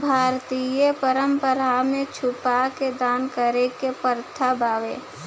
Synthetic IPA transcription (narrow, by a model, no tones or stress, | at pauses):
bʱaːɾt̪ijəpəɾəmpəɾamẽt͡ʃʰʊpaked̪aːnkəɾekepəɾt̪ʰabaːʋeː